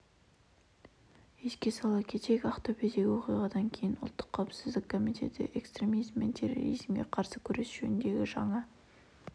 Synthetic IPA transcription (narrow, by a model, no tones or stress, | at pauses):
eskʲe̞sɑlˠɑkʲʰe̞t̪e̞kʲɑft̪oped̪e̞ɡʲɪwo̞qijʁɑd̪ɑŋkʲʰe̞jɪnʊlˠt̪ːə̥qʰːɑwpsɪzd̪ɪkʰːo̞mit̪ʰe̞̰t̪ɪ̰ʔe̞kst̪rʲe̞mijzmːent̪ʰero̞̰ɾḭzmɡʲeqʰɑɾsəkʲʰɵɾe̞sʒ̥ḛnnd̪e̞ɡʲɪʒɑɴɑ